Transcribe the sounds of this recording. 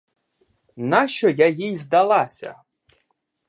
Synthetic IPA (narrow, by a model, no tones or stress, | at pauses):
naʃt͡ʃɔjajijzd̪ɐlˠɑsʲɐ̰